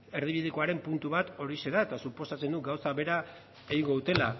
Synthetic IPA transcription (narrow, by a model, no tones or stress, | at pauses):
e̞ɾð̞iβiðeko̞aɾe̞mpunt̪uβat̪o̞ɾise̞ðae̞t̪asupo̞sat͡se̞nd̪uɡawsaβe̞ɾa | e̞ɣiŋɡo̞ðut̪e̞la̰